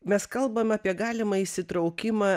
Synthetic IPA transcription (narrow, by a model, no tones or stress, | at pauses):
mʲɛskɐlˠbɐmɑːpʲiɛɡɑːlʲɪmɐɪsʲɪt̪ɾɒʊkʲɪmɑː